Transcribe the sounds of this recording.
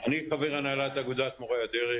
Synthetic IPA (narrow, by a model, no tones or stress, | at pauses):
aniχaveʁanaːlat̪aɡud̪at̪moʁajad̪eʁi